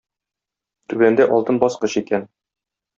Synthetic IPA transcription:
t̪ʉbænd̪æʔɒlˠt̪ɤnbɒsqɤɕikæn

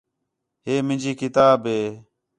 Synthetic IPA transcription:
ɦeːmɪ̃nd͡ʒiːkɪt̪aːbɦeː

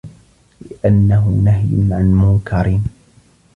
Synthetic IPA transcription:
lɪʔanːaɦʊ̰naɦjnʕanmʊŋkʰɑɾiːn

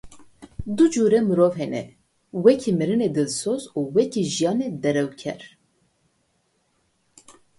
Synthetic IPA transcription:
d̪ud͡ʒuːɾɛmɨɾoːvɦɛnɛ̰ | wɛkʰimɨɾɨneːd̪ɨlsoːzuwɛkʰiʒijɑːned̪ɛɾɛwkʰɛ̰ɾ

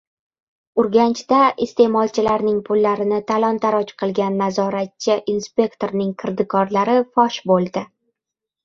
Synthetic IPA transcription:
ʊɾɡʲant͡ʃd̪aʔɪst̪e̞mɒlˠt͡ʃʰɪlaɾnɪŋpʰʊlːaɾɪnɪt̪ʰalˠɒnt̪ʰaɾɒt͡ʃqʰɨlˠɡʲanːazɒɾat̪̚t͡ʃʰːɪʔinspʲe̞kt̪o̞ɾnɪŋqʰɨɾd̪ɪkʰɒɾlaɾɪfɒʃbolˠd̪ɪ

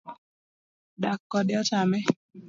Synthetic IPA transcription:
dakːɔdɪɔtamɛ

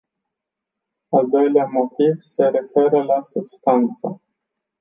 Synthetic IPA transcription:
ald̪o̞jleamo̞t̪ivse̞ɾe̞fe̞ɾəlasub̥st̪ant̪sə̰

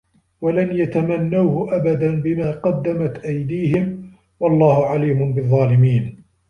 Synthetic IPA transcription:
walanjat̪amanːawhʊʔabad̪anbɪmaːqɑd̪ːamat̪ʔajd̪iːhɪm | wɑlˤːɑːhʊʕaliːmʊnbɨðˤːɑːlɪmiːn

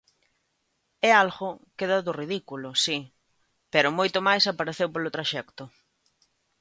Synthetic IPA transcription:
ɛalɣʊkeðaðʊriðikulʊsi | pɛɾʊmojt̪ʊmajsapaɾeθewpolʊt̪ɾaʃɛkt̪ʊ

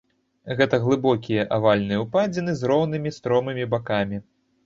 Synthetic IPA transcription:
ɣɛt̪ɐɣlˠɨbɔkʲijɐʔavalʲnɨjɛwpad͡zʲɛnɨzɾɔwnɨmʲist̪ɾɔmɨmʲibakamʲi

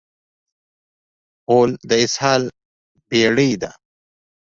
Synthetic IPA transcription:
oːld̪əɪshɑːl | peɽəjd̪a

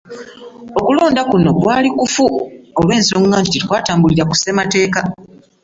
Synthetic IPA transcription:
o̞kulo̞ːndakuno̞kwaːlikufuo̞lwe̞ːnsioŋaːntititikwaːtaːmbuliɾaku̥se̞mate̞ːka

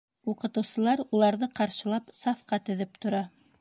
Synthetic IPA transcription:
uqɤ̆t̪ɤ̆wsɤ̆lˠɑɾulˠɑɾðɤqɑɾʃɤ̆lˠɑpsɑfqɑt̪ɵ̆ðɘp̚t̪ŏɾɑ

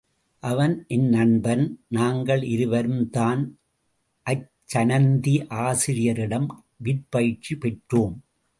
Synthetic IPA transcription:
ʔɐʋɐnʔɛnːɐɳbɐnnaːŋɡɐɭʔɪɾɯʋɐɾɯmt̪aːn | ʔɐt͡ʃːɐnɐnd̪iʔaːsɪɾɪjɐɾɪɽɐm | ʋɪʈ̚pɐj̚t͡ʃːipɛʈroːm

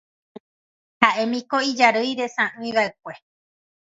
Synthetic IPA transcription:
haʔe̞mĩkoid͡ʒaɾɨjɾe̞sãʔɨ̃ij̃βaek̚ʷe̞

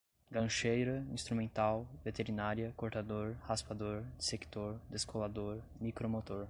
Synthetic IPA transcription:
ɡɐ̃ʃejɾɐĩst̪ɾumẽnt̪awvet̪eɾinaɾiɐkoɾt̪ad̪oɾhaspad̪oɾd͡ʒiseki̥t̪oɾd̪eskʰolad̪oɾ | mikɾomot̪oɾ

